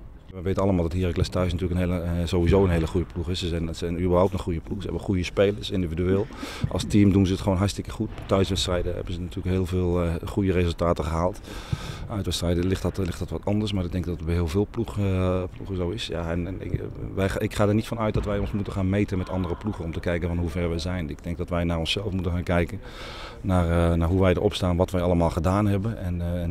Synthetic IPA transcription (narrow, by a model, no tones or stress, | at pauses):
ʋɛʋejtənɑləmaːlˠdɑtɦiːrɪklɛstœɥs̬natyːləkəneləzowʋizowənɦejləχujəpluχɪsəzɛnsɛjnybəɹɦawp̚tənχujəpluχsəɦɛbəχujəspejləɹsɪndividyeːlˠʔɑ̰lˠstimdunzəətχəʋownɦɑɹstɪkəχuttːœɥsʋɛtstrɛjdəɦɛ̰bənzənatʰyːləkɦeːlˠveːlˠχujərezəlˠtaːtəχəɦaːlˠt | œɥtʋɛtstrɛjdəlɪtlɪxtɑtʋɑtɑndəsmaːɹɪɡ̚dɛŋk̚dɔtəbɦɪːəlˠvɪːlˠpluχpluxəzowɪsja̰ɛnn̰ʋɛɪkχaːdəɹnitfɑnœɥt̚dɔtʋɛjɔnsmutənχaːnmejtənmɛtɑ̰ndərəpluχənɔmtəkɛjkənvɔnɦuvɛɹʋɛjzɛjnɪɡ̚dɛŋk̚dɔtʋɛjnaːɹɔnsɛlˠəfmutənxaːnkɛjkən | naːrnaːɹɦuʋɛjdə̰ɹʔɔ̰pstaːnʋɔtʋɛjɑlˠəmaːlˠχədaːnɦɛbənɛnn